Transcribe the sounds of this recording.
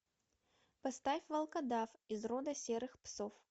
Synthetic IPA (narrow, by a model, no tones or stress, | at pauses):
pɐst̪afʲvɐlˠkɐd̪afizrɔd̪ɐsʲɛɾɨxpsof